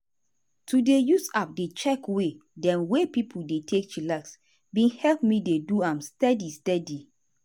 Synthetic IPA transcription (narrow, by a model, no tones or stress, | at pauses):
tudejusap̚det͡ʃɛkwedɛ̃nwepipʰuldetʰek̚t͡ʃilaks | bĩnhɛlp̚mideduãmstɛdistɛdi